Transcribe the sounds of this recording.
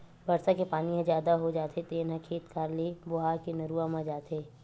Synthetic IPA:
bɐɾsakepaːnijãzjaːd̪aɦod͡ʒaːt̪ʰet̪eːnãkʰiːt̪kaɾlibʊɦaːkinɐɾuːamãd͡ʒaːt̪eː

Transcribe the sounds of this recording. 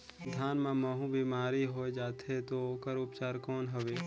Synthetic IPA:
d̪ʱjaːnmãmɐɦũbiːmaːɾiɦoed͡ʒaːt̪ɦet̪ooːkəɾʊpt͡ʃaːɾkɔːnɦəʋeː

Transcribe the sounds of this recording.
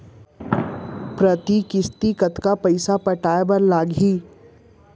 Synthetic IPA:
pɾɐt̪ikɪst̪ikɐt̪kapɐɪsapɐʈaːebɐɾlaːɡɦiː

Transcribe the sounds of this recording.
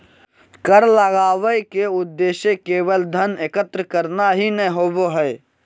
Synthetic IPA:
kəɾləɡaːʋəkeʊd̪ːeːʃekeːbəld̪ʱənekət̪ɾəkəɾnaɦinəɦoboɦɛː

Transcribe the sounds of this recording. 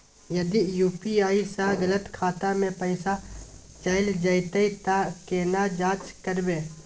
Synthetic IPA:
jɐd̪ijuːpiaːisaɡɐlət̪kʰaːt̪amẽpəɪsa | t͡ʃaːɪld͡ʒaːɪt̪əit̪akeːnad͡ʒaːt͡ʃkəɾbeː

